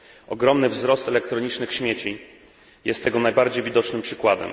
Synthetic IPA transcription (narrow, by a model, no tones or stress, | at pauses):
ɔɡɾɔmnɘvzɾɔst̪ɛlɛkt̪ɾɔɲit͡ʂnɘxɕmʲjet͡ɕi | jɛst̪ːɛɡɔnajbaɾd͡ʑejvʲid̪ɔt͡ʂnɘmpʂɘkwad̪ɛ̰m